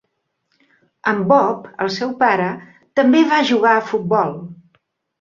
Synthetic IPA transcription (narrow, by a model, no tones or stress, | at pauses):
əmbɔpə̰lˠsɛwpaɾə | t̪əmbeβaʒuɣaəfut̪̚bɔlˠ